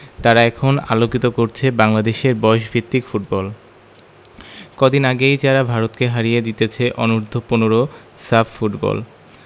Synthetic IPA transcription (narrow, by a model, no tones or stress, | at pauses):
t̪aɾaɛkʰona̰lokit̪okoɾt͡ɕʰebaŋlad̪eʃeɾbɔeʃbʱit̪ːikfuʈ̚bɔl | kod̪inaɡejd͡ʑaɾabʱaɾot̪keɦaɾijed̪it̪et͡ɕʰeʔɔnuɾd̪ʱoponoɾo | saffuʈbɔ̰l